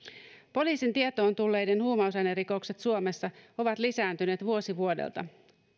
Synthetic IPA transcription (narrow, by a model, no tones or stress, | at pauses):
po̞liːsint̪iet̪o̞ːnt̪ulːe̞jde̞nhuːmɑus̬ɑjneriko̞wkse̞t̪suome̞sːɑo̞ʋɑt̪lisæːnt̪yne̞ːt̪ʋuo̞siʋuo̞dḛlt̪ɑ